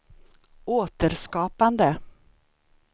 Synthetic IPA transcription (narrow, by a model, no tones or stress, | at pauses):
oːt̪əɾskɑːpand̪ə